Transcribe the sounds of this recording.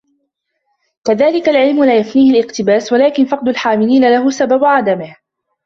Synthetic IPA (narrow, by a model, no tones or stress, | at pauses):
kaðaːlɪkalʕɪlmʊlaːjafniːhalʔɪqt̪ɪbaːswalaːkɪnfɑq̚d̪ʊlħaːmɪliːnalaɦʊsababʕad̪amɪh